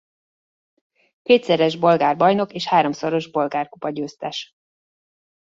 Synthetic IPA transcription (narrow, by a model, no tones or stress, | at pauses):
keːt̪sɛɾɛʒbo̞lɡaːrbɒjno̞keːʃhaːɾo̞mso̞ɾo̞ʒbo̞lɡaːrkupɒɟøːst̪ɛʃ